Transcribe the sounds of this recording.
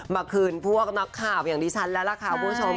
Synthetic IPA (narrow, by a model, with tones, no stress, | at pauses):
maː˧kʰɯː˧npʰu˥˩ək̚na˦˥kʰːaː˨˩w̚jaː˨˩ŋdiː˧t͡ɕʰa˦˥nlɛː˦˥wla˧˩kʰaː˧pʰu˧˩˦o˧m